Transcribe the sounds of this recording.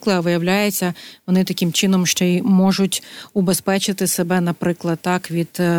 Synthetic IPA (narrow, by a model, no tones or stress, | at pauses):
klˠɪɐʋɪjɐwlʲajet͡sʲːɐʋɔnɪt̪ɐkʲɪmt͡ʃɪnɔmʃt͡ʃɔimɔʒʊtʲubespɛt͡ʃɪt̪ɪsebɛnɐpɾɪklˠɐd̪̚t̪ːɑkʋʲid̪